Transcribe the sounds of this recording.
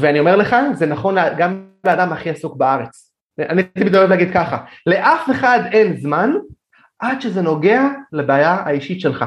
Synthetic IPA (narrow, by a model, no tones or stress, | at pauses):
veanio̞me̞ʁle̞χazenaχo̞nleɡamleadamhaχiasukbaaʁe̞t͡s | anit̪ibid̪ovevleaɡid̪̚kaχale̞ʔafe̞χad̪e̞nzman | ʔad̪ʃe̞ze̞no̞ɡe̞alebeajaaiʃitʃe̞lχa